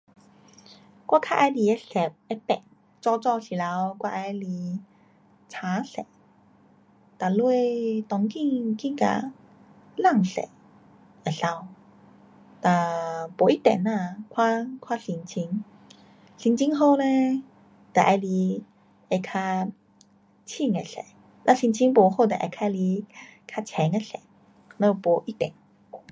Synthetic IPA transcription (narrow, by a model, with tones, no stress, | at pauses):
kwa˥˧kʰa˧ʔa˧jli˧˩e˧˦sɛ˨˩p̚e˧pɛ̰˨˩ŋ | t͡sɔ˥˧t͡sɔ˥˧ɕi˨˩la˨˧˦wkwa˥˧ʔa˧jli˧ | t͡sʰa˨˦sɛ̰˨˩˨ | t̪a˨lu˧t̪ɔ˧ŋkĩ˥˧kĩ˥˧ŋka̰˨˩ | la˥˨ŋsɛ̰˨˩˦ | a˨˩ɬa˧w | t̪a˨˩po˨˦i˦t̪ɛ̰˨˩na˧˨kʰwa˦˥kʰwa˦˥ɬi˧ŋt͡ɕʰi˧ŋ | ɬi˧ŋt͡ɕʰi˦ŋɦo˥˧˨lɛ˧ | t̪a˨˩ʔa˧jli˧ | e˧˩kʰa˧ | t͡ɕʰi˥˧˨ŋe˨˩ɬḛ˨˩˦ | nã˧ɬi˧nt͡ɕʰi˧˦ŋpo˨˩ho˥˧˨t̪ɛ˨ʔa̰˧˩kʰa˧˦li˧kʰa˧t͡ɕʰɛ˨˦ŋa˧˨ɬḛ˨˦ | nə˧˦˧po˨˦ʔi˦t̪ɛ̰˨˩˦n